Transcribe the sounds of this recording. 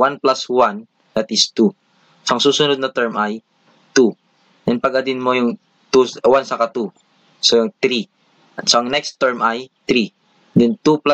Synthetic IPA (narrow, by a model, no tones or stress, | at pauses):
wanplaswan | d̪̥ɐt̪ʔɪst̪u | sʔɐŋsuːsʊnod̪̚nɐt̪ɛɹmʔaj | t̪u | ʔɛnpɐɡɐd̪ɪnmojʊŋ | t̪uwansɐkat̪u | sojʊŋt̪ɾi | ʔɐt̪sɐɐŋnɛkst̪ːɛɹmʔajt̪ɾi | d̪ɛnt̪upla